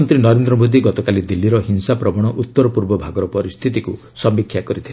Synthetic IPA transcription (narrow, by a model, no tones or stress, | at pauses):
nt̪ɾinɔɾend̪ɾɔmod̪iɡɔt̪ɔkalid̪ilːiɾɔɦinsapɾɔbɔɽ̃ɔʔut̪ːɔɾɔpuɾbɔbʱaɡɔɾɔpɔɾist̪ʰit̪iku | sɔmbikʰːjakɔɾit̪ʰil